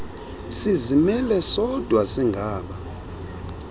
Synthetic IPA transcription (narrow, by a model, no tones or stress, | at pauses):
sizimɛlɛsɔd̥ʱwasiŋɡʱaːɓa